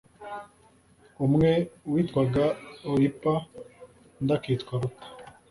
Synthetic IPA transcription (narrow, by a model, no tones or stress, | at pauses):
umŋewiːtkwaɡaoɾipa | ndakiːtkwaɾukḁ